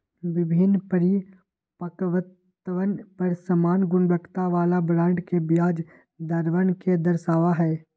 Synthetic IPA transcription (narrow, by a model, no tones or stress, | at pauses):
ʋɪbʱɪnːpəɾi | pəkʋət̪ | əʋənpɐɾsəmaːnɡʊnbəkʰt̪aʋaːlabɾãːɳɖkebjaːd͡ʒ | d̪əɾʋənked̪əɾʃaːʋaɦɛː